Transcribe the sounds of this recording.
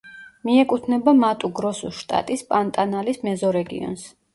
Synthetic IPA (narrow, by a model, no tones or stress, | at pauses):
miɛkʼut̪ʰnɛbamat̪ʼuɡɾɔsṵʃt̪ʼa̰t̪ʼispʼant̪ʼanalismɛzɔɾɛɡḭɔ̰ns